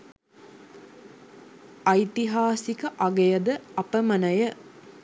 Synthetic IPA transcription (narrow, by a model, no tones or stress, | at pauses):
ɐjt̪iɦaːsikəʔaɡejəd̪əɐpəmɐnəjə